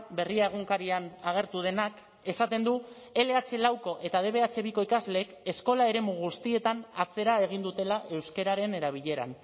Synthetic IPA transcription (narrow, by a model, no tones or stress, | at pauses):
be̞riae̞ɣ̞uŋkaɾianaɣ̞e̞ɾt̪uð̞e̞nak | e̞sat̪e̞nd̪u | e̞le̞at͡se̞lawko̞ʔe̞t̪að̞e̞βe̞at͡se̞βiko̞ikazle̞ke̞sko̞lae̞ɾe̞muɣ̞ust̪ie̞t̪anat͡se̞ɾae̞ɣ̞ind̪ut̪e̞laʔe̞wske̞ɾaɾe̞ne̞ɾaβ̞iʎe̞ɾa̰n